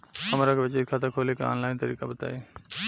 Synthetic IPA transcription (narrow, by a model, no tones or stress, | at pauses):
həmɾakeʋet͡ʃeːɾkʰat̪akʰoːlekea̰ːnlaːɪnt̪əɾiːkabət̪a̰ːe